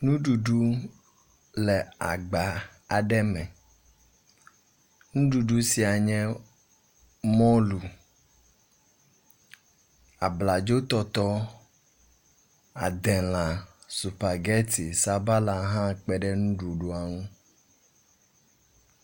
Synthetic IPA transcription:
nũ˦ɖu˨ɖu˦ | lɛ˨a̰˨ɡ͡ba˨ | a˨ɖɛ˦mɛ̃˨ | nũ˦ɖu˨ɖu˦si˨a˨ɲɛ̃˦ | mɔ̃˦lu˨ | a˨bla˨d͡ʒo˦t̪ɔ˦t̪ɔ˦ | a̰˨d̪ɛ˨lã˨su˨pa˨ɡɛ˦t̪i˨sa˨ba˦la˨ɦã˦k͡pɛ˦ɖɛ˦nũ˦ɖu˨ɖu˦a˨ŋũ˦

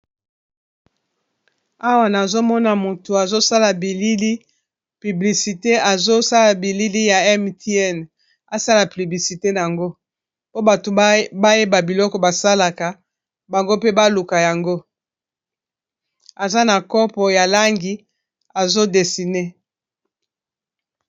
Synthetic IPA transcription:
a˦wa˨na˨zo˦mɔ˦na˨mo˨to˨a˨zo˦sa˦la˨bi˨li˦li˦ | py˨bli˨si˨te˦a˨zo˦sa˦la˨bi˨li˦li˦ja˨ɛ˦mti˦ɛ˦˨n | a˨sa˦la˨ply˨bli˨si˨te˦na˨a˨ŋɡo˦ | po˦ba˨to˨ba˦je˦ba˨bi˨lɔ˦kɔ˨ba˨sa˦la˨ka˨ | ba˨ŋɡo˦pe˦ba˦lu˨ka˨ja˨ŋɡo˦ | a˨za˦na˨kɔ˦pɔ˨ja˨la˦ŋɡi˨ | a˨zo˦de˨si˨ne˦

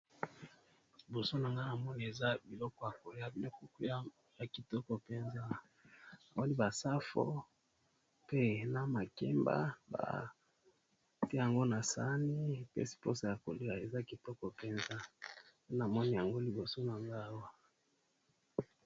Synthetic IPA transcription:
li˨bo˨so˦na˨ŋɡa˦na˨mɔ˦ni˨e˨za˦bi˨lɔ˦kɔ˦ja˨ko˨li˦a˦bi˨ɔ˦ku˦ku˦ | ja˨ki˨tɔ˦kɔ˨pe˦nza˦ | na˨mɔ˦ni˦ba˨sa˦fo̰˦ | pe˦na˨ma˨kɛ˦mba̰˦ba̰˨ | tja˨ŋɡo˦na˨sa̰˦ni˦pɛ̰˦si̥˨po˦sa˨ja˨ko˨li˦a˨e˨za˦ki˨tɔ˦kɔ˨pe˦nza˦e˦na˨mɔ˦ni˨ja˨ŋɡo˦li˨bo˨so˦na˨ŋɡa˦a˦wa˦

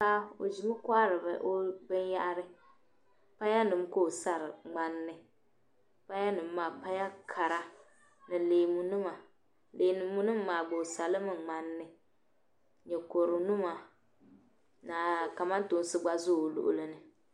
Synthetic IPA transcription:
ka˦o̰˨d͡ʒi˨mɨ˦kʷa˦ɾɨ˨bɛ̰˨ʔo˦bɨ˦nja˦ʔɾɨ˦ | pa˦ja˦nɨ˨m˦ko˦˨sa˦ɾɪ˨ŋ͡ma˦nːɨ˦ | pa˦ja˦nɨ˨mː˦aː˨pa˦ja˦kʰa˨ɾa˦ | nɨ˨leː˨mu˨nɨ˦ma˨ | leː˨nɨ˨mːu˦nɨ˦m̩ː˦aː˨ɡ͡bo˨sa˨lɨ˦mɨ˨ŋ͡ma˦nːɨ˦˨ | ɲɛ˨ko˨ɾɨ˨nu˦ma˨ | na˨ka˨ma˦n˦to˨˦n˦sɨ˦ɡ͡ba˦zʊ˦˨lʊ̰˨ʔʊ̰˦lɨ˦nɨ˨

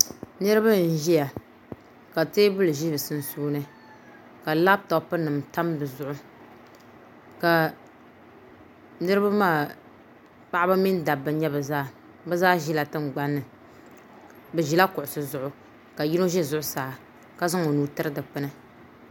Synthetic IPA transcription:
nɨ˦ɾɨ˦ba˦n̩˦˨ʒi˦ja˨ | ka˨teː˦bʊ˦lɨ˨ʒi˦bɨ˨sɨ˦n˦suː˦nɨ˦ | ka˨la˦b̚tɔ˨pɨ˦nɨ˨mta˦mbɨ˨zʊ˦ʔʊ˦ | ka˨ | nɨ˦ɾɨ˦ba˦maː˦˨ | pa˦ʔa˦ba˦mi˦n˦da˨bːɨ˨ɲɛ˦bɨ˨zaː˦ | bɨ˦zaː˦ʒi˦la˨tɨ˦ŋ͡m̩˨ɡ͡ba˦nːɨ˨ | bɨ˨ʒi˨la˦kʊ˨ʔʊ˨sɨ˨zʊ˨ʔʊ˦ | ka˨ji˦no˦ʒɛ˦zʊ˨˦ʔʊ˦saː˨ | ka˦zɨ˦ŋo˨nuː˨tɨ˦ɾɨ˦dɨ˨k͡pɨ˦nɨ˦

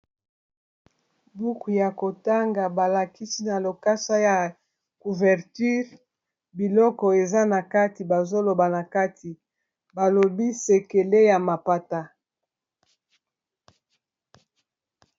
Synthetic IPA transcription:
bu˦ku˨ja˨ko˨ta˦ŋɡa˨ba˨la˨ki˦si˦na˨lo˨ka˦sa˦ja˨ | ku˨vɛ˨ʁty˦ʁ | bi˨lɔ˦kɔ˨e˨za˦na˨ka˦ti˨ba˨zo˦lo˨ba˨na˨ka˦tʰi˨ | ba˨lo˨bi˦se˨ke˨le˦ja˨ma˨pa˨ta˦

